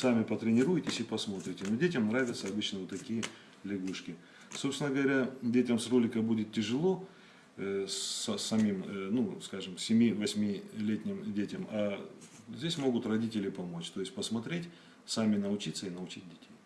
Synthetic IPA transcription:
samʲɪpət̪ɾʲɪnʲɪɾujɪtʲɪsʲɪpɐsmo̞t̪ɾʲɪtʲɪnodʲetʲəmnɾavʲɪt̪səɐbɨt͡ɕnəvot̪ːɐkʲijə | lʲɪɡuʂkʲɪ | so̞psʲɪnəɡəvɐɾʲadʲetʲəmsro̞lʲɪkəbudʲɪt̪tʲɪʐɨlˠo̞ | sɐsːɐmʲimnuskaʐɨmsʲɪmʲivɐsʲmʲilʲetʲnʲɪmdʲetʲəma | zʲdʲesʲmo̞ɡʊt̪rɐdʲitʲɪlʲɪpɐmo̞t͡ɕt̪o̞ɪsʲtʲpəsmɐt̪ɾʲetʲ | samʲɪnəʊt͡ɕit̪səinəʊt͡ɕit̚ʲdʲɪtʲej

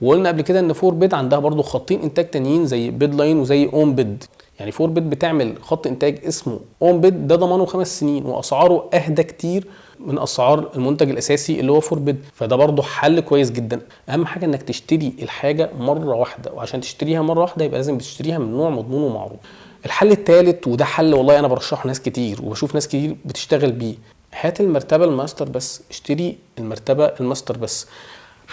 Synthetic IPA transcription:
weʔolnæʔæblked̪æʔenːfoːɾbed̪ʕand̪æhæbɑɾˤd̪ˤoxɑt̪ˤːiːnʔent̪æːɡ̚t̪ænjiːnzæjːbed̪lɑjnwezæjːʔoːmbed̪ | jaʕnifoːɾbed̪̚bet̪eʕmelxɑt̪ˤːʔent̪æːɡʔesmo̰ʔoːmbed̪ːæd̪ˤɑmɑːnoxæmæsːeniːnwḛʔɑ̰sʕɑːɾˤoʔæhd̪ækt̪iːɾ | menʔɑ̰sʕɑːɾˤelmont̪æɡelʔæsæːsiʔḛlːihowːæfoːɾbed̪fæd̪æːbɑɾˤd̪ˤoħalːkowæjːes̬ɡed̪ːænʔæhæmːħaːɡæʔenːæk̚t̪eʃt̪eɾiʔelħaːɡæmɑrˤːɑwaħd̪æ̰weʕaʃæːnt̪e̥ʃt̪æɾiːhæmɑrˤːɑwaħd̪æjebʔælæːzembet̪e̥ʃt̪æɾiːhæmenːoːʕmɑd̪ˤnuːnwemɑ̰ʕɾṵːf | ʔelħalːet̪ːæːlet̪wed̪æħalːwɑlˤːʔænæbɑɾˤɑʃːɑħonæːsket̪iːɾwḛbæʃuːfnæːsket̪iːɾbet̪e̥ʃt̪æɣelbiː | hæːt̪elmɑɾˤt̪æbælmæst̪eɾˤbæsːeʃt̪eɾi | elmæɾˤt̪æbæʔelmæst̪ɑɾˤbæsː

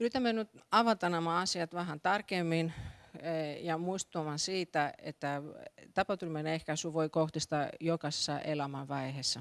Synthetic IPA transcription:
yrit̪æmːenyt̪ɑʋɑt̪ɑnɑmɑɑsiɑt̪ʋæɦænt̪ɑrkemːin | jɑmuist̪uɑmɑnsiːt̪æḛt̪ːæt̪ɑpɑt̪ulʲmenehkæsyʋoikoht̪ist̪ɑjokɑse̥sːɑ̰ʔelɑmɑʋʋɑihesːæ

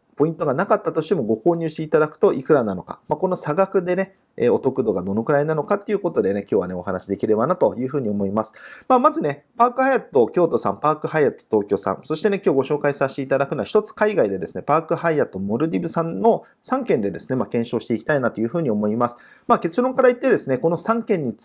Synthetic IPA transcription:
po̞ĩnt̪o̞ɡanakat̪ːat̪o̞ɕi̥t̪e̞mo̞ɡo̞ko̞ːɲ̟ɨːɕi̥t̪e̞it̪ad̪akɯ̥t̪o̞ʔikɯ̟ɾanano̞ka̰mako̞no̞saɡakɯ̟d̪e̞ne̞ | ḛːo̞t̪o̞kɯ̟d̪o̞ɡad̪o̞no̞kɯ̟ɾainano̞kat̪ːe̞iɯ̟ko̞t̪o̞d̪e̞ne̞kʲo̞ːβane̞o̞ɦanaɕid̪e̞kʲiɾe̞banat̪o̞jɯ̟ːɸɯ̟ːɲ̟io̞mo̞imasɨ̥maːmazɨne̞paːkɯ̟hajat̪ːo̞kʲo̞ːt̪o̞sã̰mpaːkɯ̟haiat̪ːo̥t̪o̞ːkʲo̞sã̰nso̞ɕi̥t̪e̞ne̞kʲoːɡo̞ɕo̞ːkaisaɕt̪eit̪ad̪akɯ̟noaçi̥t̪o̞t͡sɨ̥kaiɡaid̪e̞d̪e̞sɨne̞paːkɯ̟ɦaiat̪ːo̞mo̞ɾɯ̟d̪ʲibɯ̟sãnːo̞ | sãŋkẽnd̪e̞d̪e̞sɨ̥ne̞makẽ̞ɰ̃ɕo̞ːɕi̥t̪e̞ikʲi̥t̪ainat̪o̞jɯ̟ɸɯ̟ːɲ̟io̞mo̞imasɨ̥ | maːke̞t͡sɨɾõ̞ŋkaɾait̪ːe̞d̪e̞sɨneko̞no̞sãŋkẽ̞ɲ̟ːi

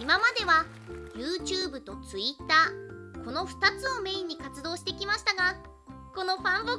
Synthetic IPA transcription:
imamad̪e̞βa | jɯːt͡ɕɯːbɯ̟t̪o̞t͡sɨit̪ːaːko̞no̞ɸɯ̟̥t̪at͡sɨo̞mẽ̞ːɲ̟ːikat͡sɨd̪o̞ːɕi̥t̪e̞kʲimaɕi̥t̪aɡa | ko̞no̞ɸãmbo

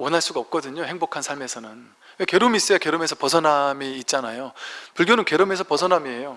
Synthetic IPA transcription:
wʌnɦaɭs͈uɡaʌp̚k͈ʌdɯɲohe̞ŋbokʰansʰaɭme̞sʰʌnɯn | we̞ke̞ɾumis͈ɯake̞ɾɯme̞sʰʌpʌsʰʌnamiːt̚t͡ɕ͈anajopuɭɡjonɯnke̞ɾɯme̞sʰʌpʌsʰʌnamie̞jo

